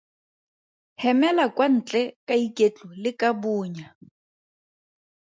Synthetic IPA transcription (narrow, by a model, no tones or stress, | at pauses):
hɛmɛlakʼwan̩t͡ɬʼɛkaikʼet͡ɬɔlɪkabuːɲa